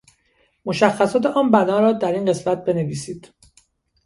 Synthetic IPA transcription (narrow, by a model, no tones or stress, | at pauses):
mo̞ʃæxːæsɒːt̪ʰeʔɒːnbænɒːɾɒːd̪æɾiːnɢe̞smæt̪̚be̞ne̞viːsiːd̪̥